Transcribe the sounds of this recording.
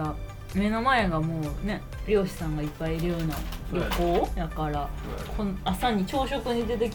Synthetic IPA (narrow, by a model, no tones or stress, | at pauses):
a | me̞nomaeɡamo̞ːne̞ | ɾʲo̞ːɕi̥sãŋɡaipːaiiɾɯ̟jo̞ːna̰ɾʲokoːjakaɾa | kʰonasaɲ̟ːit͡ɕo̞ːɕo̞kɯ̟ɲ̟id̪e̞t̪ekʲ